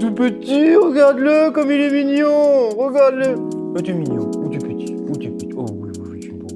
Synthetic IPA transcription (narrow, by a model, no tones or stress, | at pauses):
t̪upət̪iʁəɡaʁd̪ləkɔmileminjɔ̃ʁəɡaʁd̪ləət̪yminjɔ̃ut̪upət̪i̥ | ut̪ipət̪i̥owi | ʒt̪ibo